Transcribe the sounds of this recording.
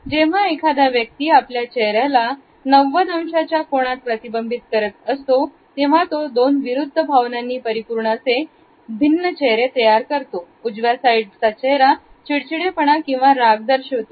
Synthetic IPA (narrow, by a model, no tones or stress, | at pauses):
d͡ʑeʋ̤aekʰad̪aʋjək̚t̪iːapljat͡ɕɛɦɾjala | nəʋːəd̪ʱəmɕat͡ɕjakoɽ̃at̪̚pɾət̪ibəmbʱit̪̚kəɾət̪̚əst̪o | t̪eʋ̤at̪od̪onʋiɾud̪ʱːəbʱaʋnanːiːpəɾipuɾɳase | bʱinːət͡ɕeɦɾet̪əjaɾkəɾt̪o | ud͡zʋjasaiɖsat͡ɕeɦɾat͡ɕiɽt͡ɕiɽepəɳ̃akĩw̃ʋaɾaɡd̪əɾɕɦot̪o